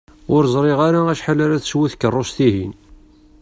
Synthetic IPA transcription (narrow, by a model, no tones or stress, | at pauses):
ʊɾzˤɾˤɪʁaɾaæʃħalæɾæθswiθkərˤːost̪iɦin